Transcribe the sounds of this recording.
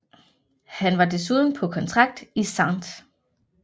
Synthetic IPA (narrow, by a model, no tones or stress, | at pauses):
hænʋɑ̈d̥e̝s̬uð̞ˠn̩pʰɒ̽kʰɒ̽nt͡sʰʁɑ̈ɡ̥̚d̥isɑ̈nd̥